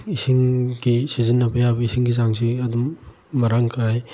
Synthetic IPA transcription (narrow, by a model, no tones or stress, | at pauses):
isiŋɡisizinːɐbɐjabɐisʰiŋɡizaŋsiɐdumː | ɐɾaŋkʰaj